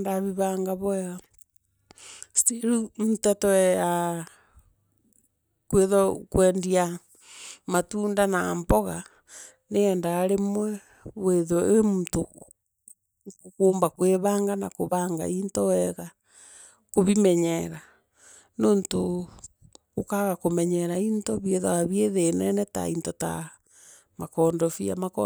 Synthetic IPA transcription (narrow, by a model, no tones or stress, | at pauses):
ndaβiβaːŋɡaβɔɛɣa | stiɾum̩tatɔɛa | kweðokwɛːndia | matuːndanaːmbɔɣa | neːndaɣaɾemwɛ | βweðoemuto | koːmbakweβaːŋɡana̰koβaŋɡa̰intɔɛɣa | koβimɛɲɛɾa | noːnto | okaɣakomɛɲɛɾaintɔβjeðaɣaβjeðenɛnɛta̰intota̰ | makɔːndɔfia̰makɔ̰